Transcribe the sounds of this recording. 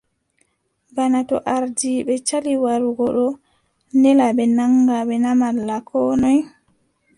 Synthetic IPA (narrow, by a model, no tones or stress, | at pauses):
banatɔ̰ʔaɾdiɓɛt͡ʃaliwaɾuɡɔɗɔ | ndɛlaɓɛnaŋɡaɓɛnamalːakʰɔːnɔj